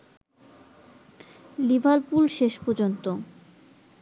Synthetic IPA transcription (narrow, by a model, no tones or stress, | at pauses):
libʱaɾpulʃeʃpoɾd͡ʑont̪o